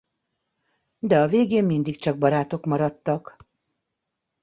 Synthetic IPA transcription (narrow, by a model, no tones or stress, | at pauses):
d̪ɛɒveːɡeːmmind̪ikt͡ʃɒɡ̚bɒɾaːt̪o̞kmɒɾɒt̪ːɒk